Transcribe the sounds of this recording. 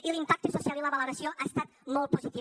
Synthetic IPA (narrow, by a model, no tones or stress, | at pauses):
ilimpak̚t̪əsusialiləβəloɾasioʔast̪at̪molˠt̪̚puzit̪i